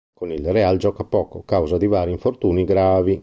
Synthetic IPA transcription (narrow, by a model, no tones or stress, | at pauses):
konilreald͡ʒɔːkapɔːkokawzad̪ivaːɾiɱfoɾt̪uːniɡɾaːvi